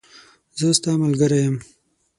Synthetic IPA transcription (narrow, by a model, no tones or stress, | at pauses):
zəst̪ɑmalɡəɾajəm